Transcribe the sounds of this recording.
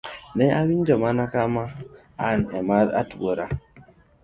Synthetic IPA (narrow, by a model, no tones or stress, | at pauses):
nejawind͡ʒamanakama | anemaa̰tuwoɾa